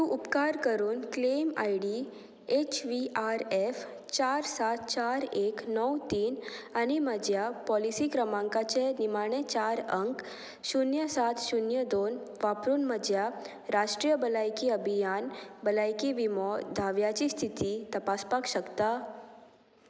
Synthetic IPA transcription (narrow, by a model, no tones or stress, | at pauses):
t̪ũʔupkaɾkəɾuːnklema̰jɽi | et͡ɕʋiʔaɾef | t͡ɕaɾsat̪̚ʰt͡ɕaɾeknɔwt̪iːnañiməd͡ʑjapɔlisikɾəmãŋkat͡ɕenimaɽ̃et͡ɕaɾəŋk | ʃunjəsat̪ʰʃunjəd̪oːn | ʋapɾuːnməd͡ʑja | ɾaʃʈɾijəbəlajkiəbʱijanbəlajkiʋimɔd̪ʱaʋjat͡ɕist̪ʰit̪it̪əpaspakʃəkt̪a